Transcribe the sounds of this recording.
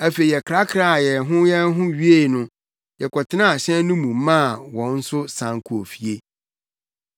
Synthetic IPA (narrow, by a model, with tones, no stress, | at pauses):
æ˨fe˨i˨ɛ˨kʰɾa˦kʰɾa˦˨jɛ˨ɦʊ̃˦jɛ˦ɦʊ̃˦ɥi˦e˦˨nʊ̃˦ | jɛ˨kʰɔ˨tʰɪ˦nã˦a˨ɕɛ̃˦nʊ̃˦mũ˨˦mã˦˨wɔ̃˨n̩˦sʊ˦sã˨ŋkʰu˨o˨fi˨e˦